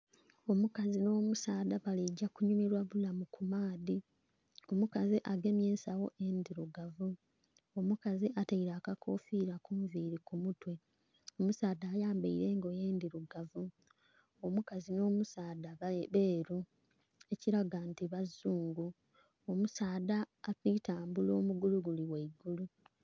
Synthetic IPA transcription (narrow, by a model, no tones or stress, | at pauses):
o̞mukazino̞ːmusaːdaβaliɟːakuɲumiɾwaβulamukumaːdi | omukaziʔaɡe̞mje̞ːnsawo̞ʔendiɾuɡavu | omukaziʔataiɾaːkakʰo̞ːfiɾakuːɱviːɾikumutwe | omusaːdaːjaːmbaiɾe̞ŋɡo̞je̞ːndiɾuɡavu | omukazino̞ːmusaːdaβe̞ːɾu | e̞ciɾaɡantiβazːuːŋɡu | omusaːdaːtitaːmbulo̞ːmuɡuluɡuliweiɡulu